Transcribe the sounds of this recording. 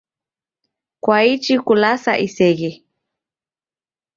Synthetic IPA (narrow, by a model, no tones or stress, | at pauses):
kwait͡ʃikulasa̰ʔisɛɣe